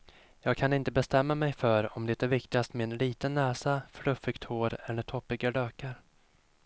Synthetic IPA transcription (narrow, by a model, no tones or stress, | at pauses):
jɑːɡ̚kʰanɪnt̪əbɛst̪ɛmːamɛjfœɾɔmd̪ɛt̪æɾvɪkt̪ɪɡast̪mɛɛnliːt̪ənːɛːsafɭɵfɪɡt̪hoːɾɛnɛt̪ʰɔpːɪɡaɖøːkaɾ